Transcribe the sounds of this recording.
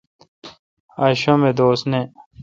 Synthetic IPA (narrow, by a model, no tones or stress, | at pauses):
aːɕõmed̪oːsne